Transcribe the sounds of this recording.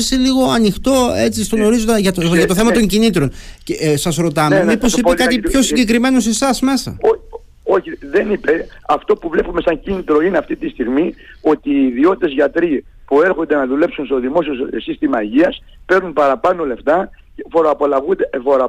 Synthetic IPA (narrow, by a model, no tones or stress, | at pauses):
seliɣo̞ɐnixt̪o̞e̞t͡sist̪onoɾizod̪eʝɐt̪ʝɐt̪o̞θemɐt̪̬o̞ɲcinit̪ɾo̞ncesɐsɾo̞t̪ɐmeemipo̞sipekɐt̪ipço̞siɲɟek̬ɾime̞no̞se̞sɐsme̞sɐ̰o | oçiðe̞nipeɐft̪o̞puvle̞pume̞sɐɲcinit̪ɾo̞ineɐft̪it̪ist̪iɣmio̞t̪iːðio̞t̪i̥t̪ezʝɐt̪ɾi | pue̞ɾxond̪enɐðule̞psunst̪oðimo̞siosist̪imɐʝiɐs | pe̞ɾnunpɐɾɐpɐno̞le̞ft̪ɐ | cefoɾoɐpolɐɣund̪efoɾ